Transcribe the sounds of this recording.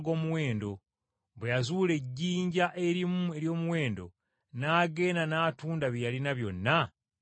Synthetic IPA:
ɡo̞ːmuwe̞ːndo̞ | βwejazuːle̞ɟːiːɲɟaʔeɾimue̞ɾjo̞ːmuwe̞ːndo̞̰ | naːɡe̞ːnanaːtuːndaβijalinaβjo̞nːa

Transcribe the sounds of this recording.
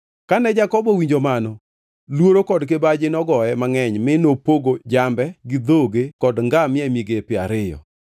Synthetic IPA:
kanɛd͡ʒakɔbɔwiɲd͡ʒomanɔ | lwoɾokɔdkebad͡ʒɪnɔɡɔɛmaŋɛɲmɪnopoɡod͡ʒambɛɡɪd̪oɡekɔdŋɡamɪɛmiɡepɪa̰ɾɪjɔ̰

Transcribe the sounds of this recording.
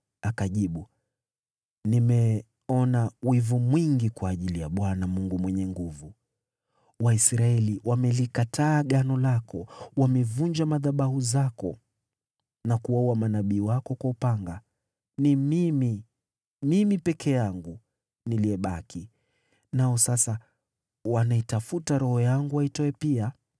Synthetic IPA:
akaʄiɓu | nimɛ | ɔnawivumwiŋɡikwaːʄilijaɓwanamuŋɡumwɛɲɛŋɡuvu | waisɾaɛliwamɛlikatʰaːɠanɔlakʰɔwamɛvuɲd͡ʒamaðaɓahuzakɔ | nakuwauwamanaɓiːwakɔkwaupaŋɡa | nimimi | mimipɛkʰɛjaŋɡu | niliɛɓakʰi | naɔsasa | wanaitafutaɾɔhɔjaŋɡuaitɔwɛpia

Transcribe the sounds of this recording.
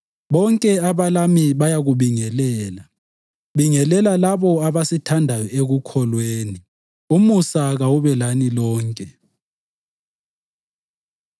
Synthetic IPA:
βɔŋkʼɛaβalamiβajaɣuβiŋɛlɛːla | ɓiŋɛlɛlalaβɔaβasitʰandʱajɔeɣukʰɔlweːni | umusaɣawuβɛlanilɔːŋkʼɛ

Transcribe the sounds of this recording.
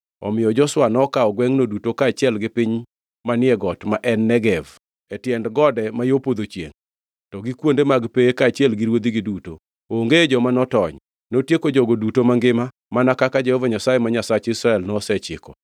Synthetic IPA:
ɔ̰mɪjɔd͡ʒɔswanɔkaɔɡwɛŋnodutokaːt͡ʃjɛlɡɪpiɲ | manɪɛɡɔtmaʔɛnːɛɡɛv | ɛtjɛndɡɔdɛmajopod̪ot͡ʃjḛŋ | tɔɡikwondemaɡpeekaːt͡ʃjɛlɡiɾwod̪iɡɪduto̰ | oŋɡed͡ʒɔmanɔtɔɲ | notjekod͡ʒɔɡodutomaŋɡɪma | manakakad͡ʒɛhɔvaɲasajemaɲasat͡ʃisɾaɛlnɔsɛt͡ʃɪ̰kɔ

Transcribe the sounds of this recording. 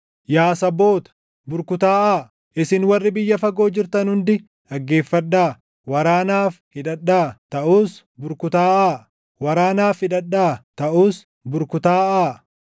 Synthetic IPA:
jaːsɐbo̞ːt̪ɐ̥ | bʊɾkʊt̪aːʔaː | ʔɪsɪnwɐrːɪbɪjːɐfɐɡoːd͡ʒɪɾt̪ɐnhʊnd̪ɪ | ᶑɐɡːe̞ːfːɐᶑːaː | wɐɾaːnaːfhɪᶑ̪ɐᶑːaːt̪ɐʔuːs | bʊɾkʊt̪aːaː | wɐɾaːnaːfhɪᶑɐᶑːaːt̪ɐʔuːs | bʊɾkʊt̪aːaː

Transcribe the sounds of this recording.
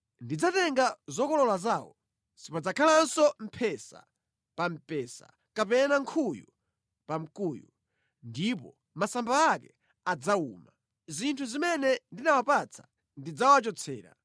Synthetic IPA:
ndid͡zatɛŋɡazɔkɔlɔlazaːwɔ̰ | si̥pad͡zakʰalansɔm̩pʰɛsa̰ | pam̩pɛsa̰ | kapɛnaŋkʰuju | pam̩kuːju | ndipɔ | masambaakɛ | ad͡zauːma | zintʰuzimɛnɛndinawapat͡sʰḁ | ndid͡zawat͡ʃɔt͡sʰɛ̰ːɾa̰

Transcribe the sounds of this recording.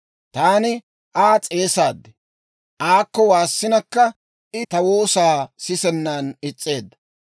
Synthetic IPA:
t̪aːnɪ | ʔaːt͡sʼe̞ːsaːd̪ːɛ̥ | ʔaːkːɔwaːsːɪnɐkːɐ | ʔɪt̪ɐwoːsaːsɪsɛnːaːnɪt͡sʼːe̞ːd̪ːɐ

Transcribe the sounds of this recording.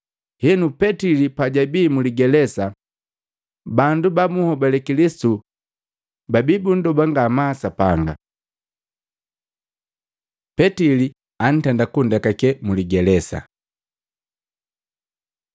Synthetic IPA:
hɛnupɛtilipaɟabiːmuliɡɛlɛsa | bandubamuhɔbalɛkilisi̥tu | babibun̩dɔbaŋɡamaːsapaŋɡa̰ | pɛtili | an̩tɛndakundɛkakɛmuliɡɛlɛsa̰

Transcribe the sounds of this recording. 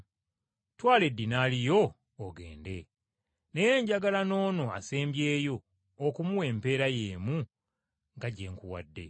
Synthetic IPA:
twaːle̞dːinaːlijo̞ː | ɡe̞̰ːnde̞ | ne̞je̞ːɲɟaɡalano̞ːno̞a̰seːmbje̞ːjo̞ː | kumuwe̞ːmpe̞ːɾaje̞ːmu | ŋɡaɟe̞ːŋkuwa̰dːe̞̰

